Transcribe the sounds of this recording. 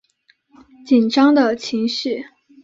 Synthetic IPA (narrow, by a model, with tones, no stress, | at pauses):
t͡ɕi˨˩nʈ͡ʂɑ˥ŋd̪ə˨t͡ɕʰi˧˥ŋʂɻ̩˥˩